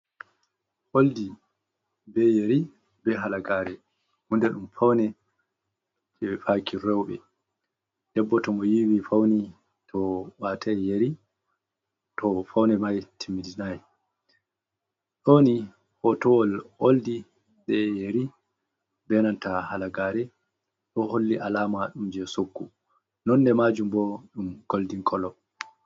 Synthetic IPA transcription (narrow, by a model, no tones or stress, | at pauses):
holdi | bɛjeɾi | bɛɦalaɡaːɾɛ | hundɛɗumfawnɛ | d͡ʒɛfakiɾɛwɓɛ̰ | d̥ɛbːɔtɔmɔjiwifawni | tʰɔwaːtʰajeɾi | tɔfawnɛmajtʰimidinajɛ | ɗoni | hɔtɔɔloldi | ɓɛjeɾi | bɛnantahalaɡaːɾɛ | ɗɔholːiʔalaːmaɗumd͡ʒɛsokːṵ | nɔndɛmad͡ʒumbɔɗumɡ̥oldiŋkʰɔlɔ